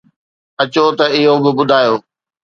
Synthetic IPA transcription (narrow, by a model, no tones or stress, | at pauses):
ɐt͡ɕot̪ɐɪɦobɪbʊd̪ʱaːjoː